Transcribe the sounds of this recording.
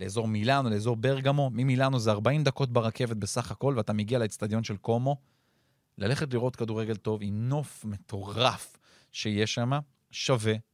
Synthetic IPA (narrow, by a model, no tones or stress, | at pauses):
le̞ezo̞ʁmilanole̞ːzo̞ʁbeʁɡamo̞mimilanozeaʁbaimd̪ako̞t̪̚baʁakʰe̞vet̪̚be̞saχako̞lveat̪ameɡialeest̪ad̪jo̞nʃe̞lko̞mo̞ | lale̞χet̪liʁo̞t̪kad̪uʁe̞ɡe̞lt̪o̞vimno̞fme̞t̪ʰo̞ʁaf | ʃe̞jeʃama | ʃave̞